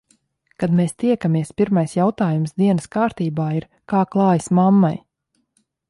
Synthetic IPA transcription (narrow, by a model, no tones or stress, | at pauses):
kad̪meːst̪iɛkamiɛspʲiɾmajsjawt̪aːjumsd̪iɛnəskaːɾt̪iːbaːiɾ | kaːklˠɑːjismamːaj